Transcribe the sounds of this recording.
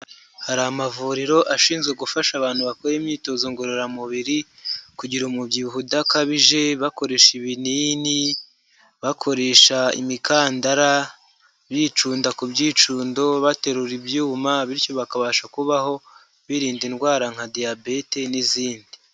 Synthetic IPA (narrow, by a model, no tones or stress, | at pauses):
haɾaːmavuɾiɾo̞ʔaʃiːnzɡeɡufaʃaβaːn̥huβakoɾemɲiːto̞zoŋɡoɾeoɾamuβiɾikuɟiɾomubɟihudakaβiʒe̞βako̞ɾe̞ːʃiβiniːni | βakʰo̞ɾe̞ʃaḭmikaːndaɾa | βjiːt͡ʃuːndakubɟiːt͡ʃuːndo̞βate̞ɾuɾibjuːmaβiɾco̞βakaβaːʃakuβaho̞ | βiɾiːndinɡwaːɾaŋhadijabete̞niziːndi